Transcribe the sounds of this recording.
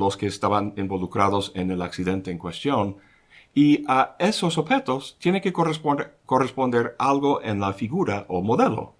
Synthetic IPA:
lo̞skeːst̪aβanembo̞lukɾaðose̞nelaksiðẽ̞nt̪eːŋkwest̪jon | iae̞sosoβxe̞t̪ost̪je̞neŋkeoko̞respo̞nd̪e̞ɾalɣo̞ʔenlafiɣuɾaʔomoðe̞lo̰

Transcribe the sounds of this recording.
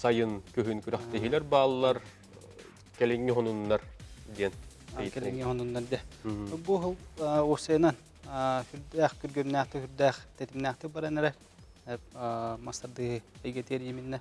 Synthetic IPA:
sajɯnkyɦynkyɾœχt̪ɛɦilɛɾbaːlˠːɑɾ | kɛliŋːiɦɔnunːaɾd̪iɛn | jkɛlʲŋːiɦɔnunːɑɾd̪iɛbuɦusɛjnan | hyɾd̪æːχkyɾɡɛmnæːχt̪ihyɾd̪æːχt̪ɛt̪imnæːχt̪ik̚baɾanɛɾɛ | ɛmɐst̪aɾd̪ɯːhɯɛjɡɛt̪iɛɾjiminːɛ

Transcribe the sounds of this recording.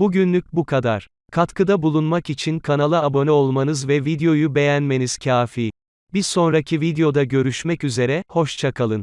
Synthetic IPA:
buɟynlʲyc̚bukʰad̪aɾ̥ | kʰat̪kʰɯd̪abulˠunmakit͡ʃʰinkʰanalˠɯabo̞nɛo̞lˠmanɯzvɛvid̪eo̞jube̞jænme̞niz̥cʰaːfiː | biɾso̞nɾacʰivid̪ejo̞d̪aɟø̞ɾyʃmɛcyze̞ɾɛho̞ʃt͡ʃʰakʰalˠɯn

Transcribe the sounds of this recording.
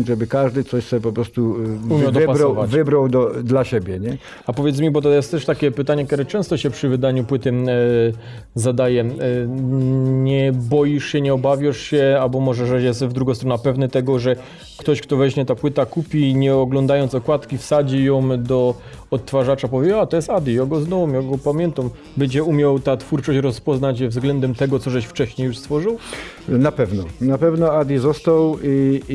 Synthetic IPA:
ʐɛbɘkaʐd̪ɘt̪sɔɕsɔɛpɔpɾɔst̪uumʲawd̪paɾaɔvavɘbɾawd̪ɔd̪laɕebʲjɛɲɛ | apɔvʲjɛt̪smʲibɔt̪̬ɔjɛst̪t̪ɛʂt̪akʲɛpɘt̪aɲɛkt̪ʲɛɾɛt͡ʂɛ̃st̪ɔɕɛpʂɘvɘd̪aɲupwɘt̪ɘ | zad̪ajɛ | ɲɛbɔjiʂɕɛɲɛɔbavʲjaʂɕɛalbɔmɔʐɛʐɛjɛst̪vd̪ɾuɡɔ̃st̪ɾɔnapɛvnɛt̪ɛɡɔʐɛ | kt̪ɔɕkt̪ɔvɛɕmʲɛt̪apwɘt̪akupʲiɲɛɔɡlɔnd̪ajɔnt̪sɔkwat̪kʲifsad͡ʑijɔ̃md̪ɔ | ɔt̪ːfaʐat͡ʂapɔvʲed͡ʑat̪ɔjɛst̪ad̪ʲijɔɡɔznɔvɔmjɔɡɔpamʲjɛnt̪am | bɛd͡ʑɛumʲjawt̪at̪fuɾt͡ʂɔɕt͡ɕɾɔspɔznat͡ɕvzɡlɛnd̪ɛmt̪ɛɡɔt̪sɔʐɛɕft͡ʂɛɕɲejuʂst̪fɔʐɨw | napɛvnɔnapɛvnɔad̪ʲizɔst̪awi

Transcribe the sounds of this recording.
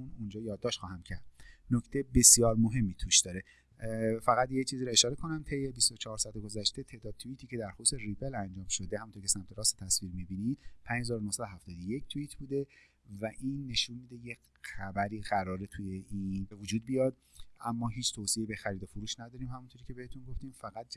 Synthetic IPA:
unund͡ʒɒːjɒːd̪ːɒːʃt̪xɒːhæmcʰæɾd̪noct̪ʰejbe̞sijɒːɾmoɦe̞mːiːt̪ʰuʃd̪̥ɒːɾe | fæɣæt̪jet͡ʃʰiːziːɾoe̞ʃɒːɾe̞kʰo̞næmt̪ʰe̞jːebist̪o̞t͡ʃʰehɒːɾsɒæt̪ʰeɡozæʃt̪e̞t̪ʰeːd̪ɒːd̪̚t̪ʰuit̪ʰiːce̞d̪æɾxoseripelænd͡ʒɒːmʃod̪ehæmunt̪ʰocʰesæmt̪ʰe̞ɾɒːset̪ʰæsviːɾmibiːnid̪pʰæɲd͡ʒhezɒːɾonohsæd̪oæft̪ɒːd̪oje̞ct̪ʰuiːt̪ʰbuːd̪e̞ | væʔiːnːe̞ʃunmiːd̪eje̞ | xæbæɾiːɣæɾɒːɾet̪ʰuje̞ʔinevod͡ʒuːd̪̚bijɒd̪ | ʔæmːɒːɦiːt͡ʃʰt̪ʰosieibe̞xæɾiːd̪ofoɾuːʃnæd̪ɒːɾiːmhæmunt̪ʰoɾiːcʰee̞het̪ʰunɡo̞ft̪iːmfæɣæt̪̚

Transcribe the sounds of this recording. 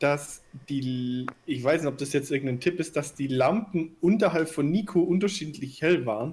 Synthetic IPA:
d̥asd̥iːɪçv̥aɪsnɪçtɔp̚d̥asjɛt͡stʔɪɐɡŋ̩taɪntʰɪpɪst̚d̥asd̥iːlampn̩ʔʊntɐɦalpfɔnːiːkʰoʔʊntɐʃiːtlɪçhɛlvaːʁən

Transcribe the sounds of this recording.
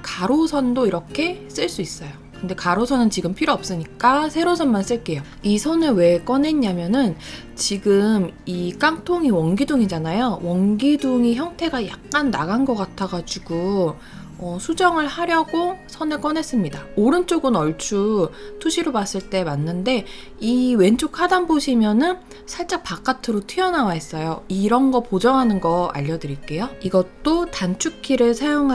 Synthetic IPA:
kaɾosʰʌndoiɾʌkʰe̞s͈ɯɭs͈uis͈ʌjokɯnde̞kaɾosʰʌnɯnt͡ɕiɡɯmpʰiɾoʌp̚s͈ɯɲik͈asʰe̞ɾosʰʌnmans͈ɯɭk͈e̞jo | isʰʌnɯɭwe̞k͈ʌne̞ɲːamjʌnɯn | t͡ɕiɡɯmik͈aŋtʰoŋiwʌŋɡiduŋid͡ʑanajowʌŋɡiduŋiçjʌŋtʰe̞ɡajak̚k͈anːa̰ɡanɡʌk͈atʰaɡad͡ʑuɡo | ʌsʰud͡ʑʌŋɯɭhaɾjʌɡosʰʌnek͈ʌne̞s͈ɯmɲidaoɾɯnt͡ɕ͈oɡɯnʌɭt͡ɕʰutʰuɕʰiɾomas͈ɯɭt͈e̞manːɯnde̞ | iwe̞nt͡ɕʰokʰadanboɕʰimjʌnɯn | sʰaɭt͡ɕ͈akpak͈atʰɯɾotʰiʌnawaɦe̞s͈ʌjoiɾʌnɡʌpod͡ʑʌŋɦanɯnɡʌa̰ʎːʌdɯɾik͈e̞joiɡʌt͈otant͡ɕʰukʰiɾɯɭsʰajoŋɦa

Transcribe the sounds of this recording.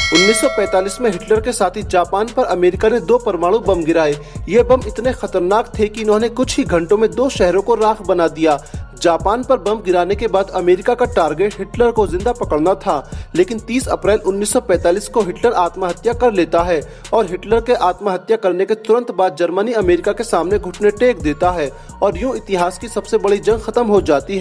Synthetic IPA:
ʊnːiːsːɔpɛ̃ːt̪aːliːsmẽɦɪʈləɾkesaːt̪ʰid͡ʒaːpaːnpɐɾɐmeːɾɪkanẽd̪oːpɐɾmaːɽ̃ũbɐ̃mɡɪɾaːeːjebɐmɪt̪nexɐt̪əɾnaːkt̪ʰekiʊnɦõːnẽkʊt͡ʃʰɦiɡʱɐ̃ɳʈõmẽd̪oːʃɛɦɾõkoɾaːxbɐnad̪ijaːd͡ʒaːpaːnpɐɾbɐ̃mɡɪɾaːnekebaːd̪ɐmeːɾɪkakaʈaːɾɡeːʈɦɪʈləɾkozɪ̃nd̪apɐkəɽnat̪ʰaːleːkɪnt̪iːsɐ̰pɾɛːlʊnːiːsːɔpɛ̃ːt̪aːliːskoɦɪʈləɾaːt̪maɦɐt̪jakɐɾleːt̪aɦɛː | ɔːɾɦɪʈləɾkeʔaːt̪maɦɐt̪jakɐɾneket̪ʊɾə̃nt̪baːd̪̚d͡ʒɐɾməniɐmeːɾɪkakesaːmneɡʱʊʈʰneʈeːk̚d̪eːt̪aɦɛː | ɔːɾjõɪt̪ɪɦaːskisɐbsebɐɽid͡ʒɐ̃ŋɡxɐt̪əmɦod͡ʒaːt̪iɦɛː

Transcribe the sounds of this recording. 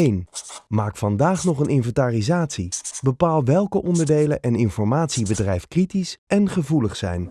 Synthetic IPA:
ejnmaːkfɑndaːχnɔχənɪnvɛntaːrizaːtsibəpaːlˠʋɛlˠkəʔɔndəɹdejlənʔɛnɪnfɔɹmaːtsibədrɛjfkritisɛnχəvuləχsɛ̰jn

